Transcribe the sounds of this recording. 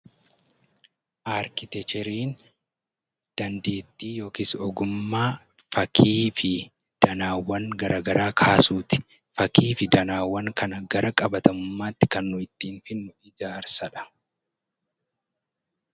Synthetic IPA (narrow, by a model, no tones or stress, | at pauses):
ʔaːɾkɪt̪ɛt͡ʃɛɾiːn | d̪̥ɐnd̪e̞ːt̪ːiːjo̞ːkiːsɔɡʊmːaː | fɐkʰiːfɪ | d̪̥ɐnaːwːɐŋɡɐɾʔaːɡɐɾaːkʰaːsuːt̪ɪ̥ | fɐkiːfɪd̪ɐnaːwːɐŋkɐnɐɡɐɾɐkʼɐbɐt̪ɐmʊmːaːt̪ːɪ̥kɐnːʊɪt̪ːiːnfɪnːʊʔɪd͡ʒaːɾsɐᶑɐ̥